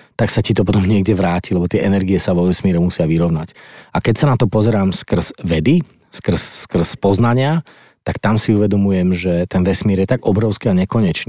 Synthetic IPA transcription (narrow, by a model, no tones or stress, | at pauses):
t̪aksacit̪ɔpɔt̪ɔmɲɪɛɡɟɛʋɾaːcilɛbɔt̪ɪɛʔɛnɛɾɡiɛsaʋɔʋɛsmɪɛɾɛmusɪaʋiɾɔʊnacakɛcsanat̪ɔpɔzɛɾaːmskr̩z̥ʋɛd̪i | skr̩sskr̩spɔznaɲɪa | t̪akt̪amsiuʋɛd̪ɔmujɛmʒɛt̪ɛnʋɛsmɪɛɾjɛt̪aɡɔbɾɔʊskiaɲɛkɔɲɛt͡ʃni